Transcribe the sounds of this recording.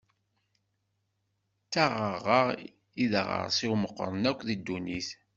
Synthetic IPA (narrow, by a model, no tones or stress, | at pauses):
t͡sːaʁəʁːəʁ | iðə̰ʁə̰ɾˤsiwməqːɾˤənækʷːðid̪ːuniθ